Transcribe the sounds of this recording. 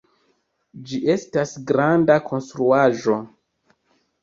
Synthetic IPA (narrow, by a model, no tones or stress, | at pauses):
d͡ʒiʔe̞stasɡɾandakʰo̞nstɾuaʒo̞